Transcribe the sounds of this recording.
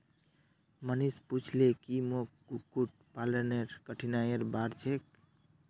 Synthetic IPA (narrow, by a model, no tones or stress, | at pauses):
mənisput͡ʃʰlekimokɡukːuʈ̚ | paləneɾkəʈʰinaeɾbaɾt͡ʃʰek̚